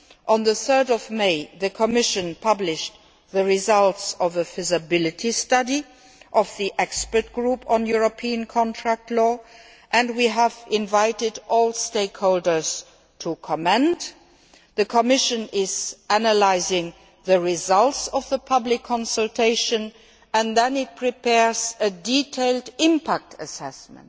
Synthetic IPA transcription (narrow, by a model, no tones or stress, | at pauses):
ʔə̃nðəθɜ˞dɔvmeɪðəkʰəmɪʃə̃npʰʌblɪʃ | ðəɹizʌltsɔvəvɪzəbɪlɨtʰistʌdi | ʔɔvðiʔɛkspə˞t̚ɡ̥ɹupʰə̃njuɹopʰiə̃nkʰɔ̃ntʰɹæk̚tʰlɔː | ʔɨ̃ndwiævɪ̃nvaɪtɪdʔɔːlˠsteɪkhoʊldə˞z̥ | tʰukʰɔmɛ̃nt | ðəkʰəmɪʃə̃nɪz̥ænəlaɪzɪ̃ŋ | ðəɹizʌltsɔvðəpʰʌblɪkʰːɔ̃nsəltʰeɪʃə̃n | ə̃nðɛ̃nɪt̚pʰɹ̥ipʰɛɹzəditʰeɪldɪ̃mpʰæk̚tʰəsɛsmə̰̃nt